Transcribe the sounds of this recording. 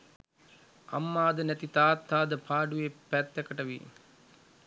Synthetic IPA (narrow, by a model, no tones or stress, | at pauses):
a̰mːaːd̪ənæt̪it̪aːt̪ʰːaːd̪əpʰaːɖuʋepæt̪ːɛkəʈəʋḭ